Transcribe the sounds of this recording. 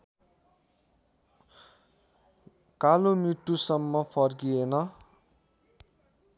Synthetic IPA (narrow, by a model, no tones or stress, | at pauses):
kalomiʈːusʌmːʌpʰʌrkienʌ